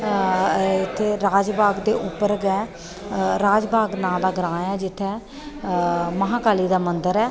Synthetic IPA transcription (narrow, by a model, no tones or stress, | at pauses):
ɪt̪ʰːeːɾaːd͡ʒbʱaːɡd̪eːʔʊpːəɾɡɛː | ɾaːd͡ʒbʱaːɡnãːld̪aːɡəɾãːɛːd͡ʒɪt̪ʰːɛː | məɦãːkaːliːd̪aːmənd̪əɾɛː